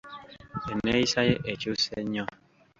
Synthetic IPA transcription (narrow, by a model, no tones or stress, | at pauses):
ɛnɛisajeʔɛt͡ʃosɛɲɔ̃